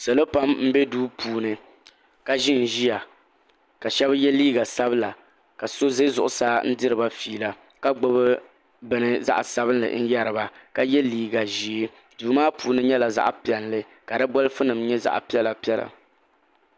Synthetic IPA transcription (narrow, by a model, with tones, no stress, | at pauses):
sɛ˨lo˦pa˦mm̩˦bɛ˦duː˦pʰuː˨nɨ˨ | ka˦ʒi˦˨n̩˨ʒi˦ja˨ | ka˨ʃɛ˦bjɛ˦liː˦ɡa˨sa˦bɨ˦la˨ | ka˨so˦ze˦zʊ˨ʔʊ˨saː˦n̩˦dɨ˦ɾɨ˨ba˦fiː˨la˨ | ka˦ɡ͡bo˦bɨ˦ | bɨ˨nɨ˦za̰˦ʔa˨sa˦bɨ˦nlɨ̰˨n̩˦ja˦ɾɨ˨ba˦ka˦jɛ˦liː˦ɡa˨ʒi˨˦ | duː˨˦maː˦puː˨nɨ˦ɲɛ˦la˨za̰˦ʔpi˨ɛ˨nlɨ˦ | ka˨dɨ˦bɔ˦lɨ˦fɨ˦nɨ˨mɲɛ˦za̰˨ʔpi˦ɛ˦la˨pi˦ɛ˦la̰˨